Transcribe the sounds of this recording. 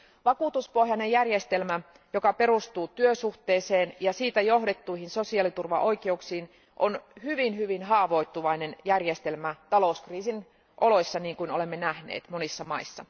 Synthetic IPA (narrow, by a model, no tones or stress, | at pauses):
ʋɑkuːt̪uspo̞hjɑnejjærjest̪e̞lmæ | jo̞kɑpe̞rust̪uːt̪yøsuht̪eːse̞ːnjɑsiːt̪æjo̞ɦdet̪ːuihinso̞siɑlit̪urʋɑʔo̞ikeuksiːn | ʔonhyʋinɦyʋinɦɑːʋo̞it̪ːuʋɑinenjærjest̪elmæt̪ɑlo̞uskriːsin | ʔo̞lo̞isːɑniːŋkuinole̞mːenæhnḛːt̪monisːɑmɑisːɑ̰